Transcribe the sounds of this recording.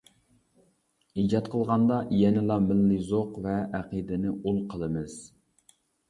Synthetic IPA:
id͡ʒɑt̪qʰəlˠʁɑnd̪ɑjɛnɪlˠɑmɪlːɪzoqvɛæqid̪ɪnɪʔulˠqʰəlˠɨmɨz̥

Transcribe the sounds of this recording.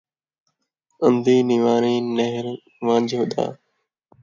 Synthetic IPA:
ə̃nd̪iːnɪʋaːɾiːneɦɪɾ | ʋãːd͡ʒɦʊɗ̪a̰ː

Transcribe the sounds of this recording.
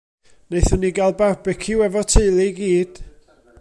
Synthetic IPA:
nejθʊnːiɡalˠbarbɪkʰɪwɛvɔtʰeɨlˠɪɡiːd̥

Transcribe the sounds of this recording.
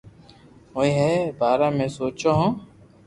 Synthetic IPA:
ɦoːĩːɦeːbaːɾãːmẽːsoːt͡ʃoːɦõː

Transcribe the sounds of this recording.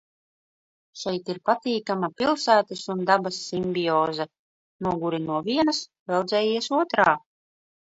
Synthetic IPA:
ʃɛjt̪iɾpat̪iːkamapʲilˠsæːt̪asund̪abasːimʲbʲiɔːzɛ | nuɔɡuɾinuɔvʲiɛnasvɛlˠd̪zʲɛːjiɛsuɔt̪ɾaː

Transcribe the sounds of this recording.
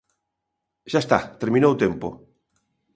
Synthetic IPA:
ʃaest̪a̰t̪eɾmĩnowt̪empo̰

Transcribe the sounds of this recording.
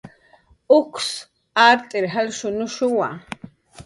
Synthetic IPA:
ʊkʷs | aɾt̪ʼɪɾɦalʃʊnʊʃʊwa

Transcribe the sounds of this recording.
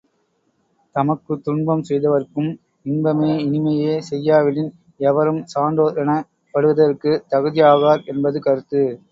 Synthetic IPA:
t̪ɐmɐkːɯt̪ʊɳbɐmsɛjðɐʋɐɾkɯm | ɪnbɐmeːɪnɪmɐjeːsɛjːaːʋɪlɪn | ɛʋɐɾɯmsaːɳɖoːɾɐnɐ | pːɐɽɯʋɐðɐɾɯkːɯt̪ɐɣɯðɪjaːɣaːɾɛnbɐðɯkɐɾɯt̪ːɯ

